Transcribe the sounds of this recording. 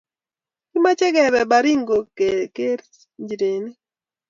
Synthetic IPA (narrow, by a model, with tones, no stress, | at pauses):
ki˦ma˦t͡ʃɛ˦ɡɛ˨bɛ˨ba˨ɾi˦ŋɡo˨ke˨ke˦ɾ | ɲd͡ʒɾe˨ni˦